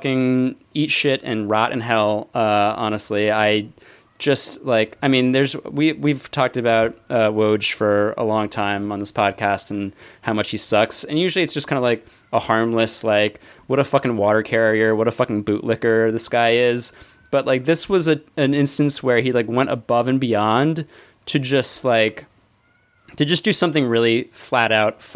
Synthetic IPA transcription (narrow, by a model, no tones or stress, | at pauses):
kɪ̃ŋ | it͡ʃʃɪɾɨ̃nɹɑɾɨ̰̃nɦɛlˠʌɑ̰ñɨstˡliaɪ̥ | d͡ʒʌstlaɪkaɪmĩnðə˞zwiwiv̥tʰɔk̚tɨbaʊt̚ʌwoʊdd͡ʒʒ̥fə˞ə̰lɔ̃ŋtʰãɪ̃mə̃nðɪspʰɑd̚kʰæstn̩haʊmʌt͡ʃhisʌksɨ̃njʉʒl̩ˠiɨtsʒ̥ʌskʰãɪ̃ndəlaɪk | əhɑɹmləslaɪkwʌɾəfʌkɪ̃ŋwɔɾə˞kʰɛɹiə˞wʌɾəfʌkɪ̃ŋbʉʔˡlɪkə˞ðɪsɡ̥aɪɪz | b̥ʌt̚ˡlʔaɪk̚ðɪswʌzɨɨ̃nɪ̃nstɨ̃n̩swə˞ilaɪkwɛ̃ɾ̃tə̰bʌvɨ̃nbiɑ̃n | tʰɨd͡ʒʌst̚laɪk | tʰɨd͡ʒʌsd̥ɨsʌ̃mθɪ̃ŋɹɪlˠiflæɾaʊt̚f